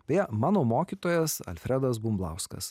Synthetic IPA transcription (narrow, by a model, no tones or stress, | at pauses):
pʲijɛmɑːnoːmoːkʲiːt̪oːjɛsɐ̰lʲfʲɾʲɛd̪ɐs̬bumblˠɑ̰ˑʊskɐ̰s